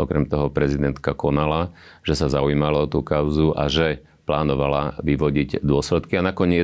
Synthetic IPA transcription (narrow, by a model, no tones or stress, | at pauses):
ʔɔkɾɛmt̪ɔɦɔpɾɛzid̪ɛnt̪kakɔnala | ʒ̥ɛsazaujiːmalɔɔt̪uːkaʊzuʔa̰ʒɛ | plaːnɔʋalaʋiʋɔɟiɟd̪ʊɔslɛt̪kianakɔɲɪɛ